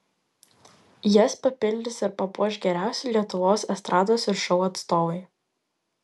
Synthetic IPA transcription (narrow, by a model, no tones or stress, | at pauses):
jɛspɐpʲɪlʲd̪ʲɪsɪɾpɐpuɔʃʲɡʲɛɾʲæˑʊsʲɪlʲiɛt̪ʊʋoːsɛst̪ɾʔɑːd̪oːsɪɾʃɔʊɐt̪st̪oːʋɐɪ